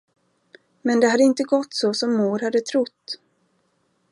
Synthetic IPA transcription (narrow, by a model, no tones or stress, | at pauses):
mɛnd̪ɛhad̪ːəɪnt̪əɡɔt̪ːsɔsɔmːuːɾhad̪ːət̪ʰɾʊt̪ː